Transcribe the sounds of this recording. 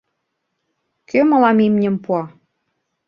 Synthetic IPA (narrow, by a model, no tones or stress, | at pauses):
kømɤ̆lɑmimnʲə̆mpuɑ